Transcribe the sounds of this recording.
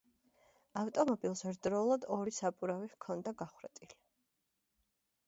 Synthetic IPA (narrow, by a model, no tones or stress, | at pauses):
aft̪ʼɔmɔbilˠsɾd̪ɾɔlˠad̪ɔɾisapʼuɾavivkʰɔnd̪aɡaχɾɛt̪ʼili